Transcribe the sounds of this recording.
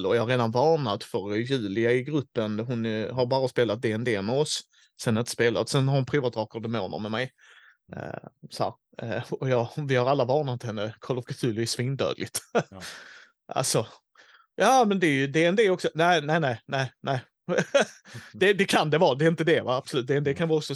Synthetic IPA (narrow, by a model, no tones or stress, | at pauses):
lɔjɑhaɾeːd̪anvɑːnat̪fœɾjʉ̟ːlɪaɪɡɾɵpːənɦʊnɦaɾbɑːɾaspeːlat̪̚d̪eɛnd̪eːmɛɔs | sɛnhaɾɪnt̪ə̥speːla̰t̪sɛnhaɾhʊnpʰɾuːvat̪ɾɑːkəd̪ɛmo̰ːnə̰ɾmɛmɛj̰ | sɔhæ̰ːɾ | ɔjɑːvɪhaɾalːavɑːnat̪hɛnːəkʰɔlːəfɡʰat̪ʰʉlvɪsːvɪːnd̪œ̰ːd̪lɪt̪ | ʔa̰lsɔ | jɑːmɛnd̪ɛjɵd̪eɛnd̪eːɔksɔnæɪnæɪnæɪnæɪnæɪ | d̪ɛd̪ɛkʰand̪ɛvɑːd̪ɛɪnt̪əd̪ɛvaab̥sʊlʉt̪̚d̪eɛnd̪eːkʰanvɑːɔksɔ